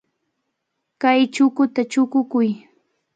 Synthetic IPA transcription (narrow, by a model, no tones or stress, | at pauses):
kajt͡ʃʊkʊt̪at͡ʃʊkʊkʊj